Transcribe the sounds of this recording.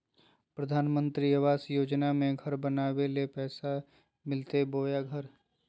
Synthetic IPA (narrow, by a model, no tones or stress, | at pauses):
pɾəd̪ʱaːnmə̃nt̪ɾiɐʋaːsjoːd͡ʒnamẽɡʱɐɾbənaːwelepɛːsa | mɪlt̪eboːjaɡʱəɾ